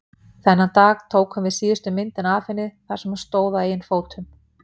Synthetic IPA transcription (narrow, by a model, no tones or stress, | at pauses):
θɛnːat̪aːɣt̪ʰoːwkhʏmvɪðsiːðʏst̪ʏmɪnt̪ɪnaːfɪnːɪθḁsɛmḁst̪oːwðaejɪnfoːwt̪ʰʏm